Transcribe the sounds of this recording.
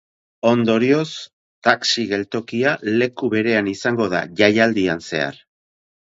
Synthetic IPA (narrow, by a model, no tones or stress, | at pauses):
o̞nd̪o̞ɾio̞s | t̪aksiɣe̞lt̪o̞kiale̞kuβe̞ɾe̞anisaŋɡo̞ða̰ʝajald̪ianse̞̰a̰ɾ